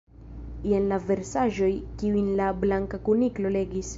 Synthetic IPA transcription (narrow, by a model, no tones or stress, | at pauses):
ienlave̞ɾsaʒo̞jkiujnlablaŋkakuniklo̞le̞ɡis